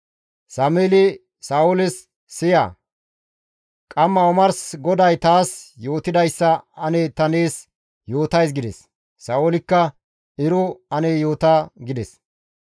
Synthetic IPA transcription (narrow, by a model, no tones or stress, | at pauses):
sɐmeːlɪ | saːwʊlɪsː | ɪja̰ː | kʼɐmːɐɔmɐɾsɡɔd̪ɐjt̪aːsjo̞ːt̪ɪd̪ɐjsːɐɐneːt̪ɐne̞ːs | jo̞ːt̪ɐjs̬ɡɪd̪ɛsː | aːwʊlɪkːɐ | ɪɾʊɐnejo̞ːt̪aːɡɪd̪ɛs